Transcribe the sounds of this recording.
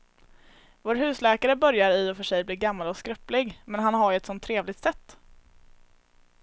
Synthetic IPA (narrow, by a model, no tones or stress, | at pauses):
voːɾɦʉ̟ːslɛːkaɾəbœɾjaɾɪɔfœʂɛjbliːɾɡamːalɔskɾœplɪɡmɛnɦanɦaɾjɛt̪sɔnt̪ʰːɾeːvlɪt̪sɛt̪ː